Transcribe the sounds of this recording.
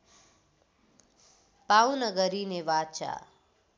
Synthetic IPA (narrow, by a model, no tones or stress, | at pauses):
pawnʌɡʌɾineʋat͡ʃa̰